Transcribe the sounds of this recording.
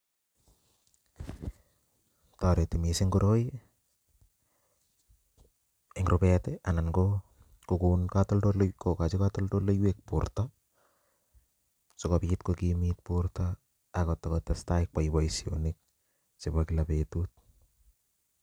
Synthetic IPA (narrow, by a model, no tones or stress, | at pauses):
taɾetimisiŋkoɾoj | eŋɾopeteʔananko | kukunkatoldolokokat͡ʃikatoldolojwek̚puɾta | sokopikitkokimit̚puɾta | akot̪ːakot̪ːastaik̚pajbajsionik̚ | sepakilapetut̚